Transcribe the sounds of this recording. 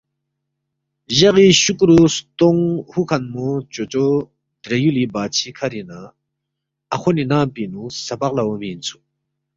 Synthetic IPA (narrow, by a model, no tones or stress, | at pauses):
ʑaʁiɕukɾust̪oŋhukʰanmot͡ɕot͡ɕo | d̪ɾejulibaːt͡ɕʰikʰaɾina | aχʰoninapinusapaq̚lawomint͡sʰu̥